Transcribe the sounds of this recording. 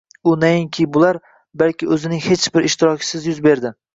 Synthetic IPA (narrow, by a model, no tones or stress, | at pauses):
ʊnajɪŋkʲʰibʊlaɾ | balkʲɪɵzɪnɪŋhet͡ʃbɪɾɪʃt̪ɪɾɒkʲʰɪ̥sɪzjʊzbe̞ɾd̪ɪ